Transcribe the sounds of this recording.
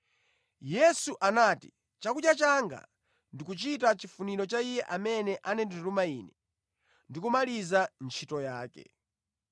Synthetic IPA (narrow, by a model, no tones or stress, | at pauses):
jɛsuʔanaːti̥ | t͡ʃakuɗjat͡ʃaŋɡa̰ | ndikut͡ʃitat͡ʃifuniɾɔt͡ʃaijɛʔamɛnɛʔanɛndiɾumaiːnɛ | ndikumalizant͡ʃʰitɔjaːkɛ̰